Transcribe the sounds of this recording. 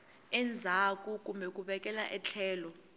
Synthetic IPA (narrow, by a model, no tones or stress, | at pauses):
ɛnd͡zʱak̬ʼuk̬ʼumbʱɛk̬ʼuɓɛk̬ʼɛlaʔɛt͡ɬʰɛːlɔ